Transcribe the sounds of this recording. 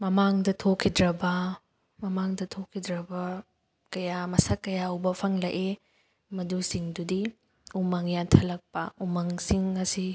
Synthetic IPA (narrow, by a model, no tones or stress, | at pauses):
mɐmaŋdɐtʰokʰːidɾɐbɐ | mɐmaŋdɐtʰokʰːidɾɐbɐ | kɐjamɐsɐkːɐjauwbɐpʰɐŋlɐʔe | mɐdusiŋdudi | umɐŋjantʰɐlɐk̚pɐ̰umɐŋsiŋɐsi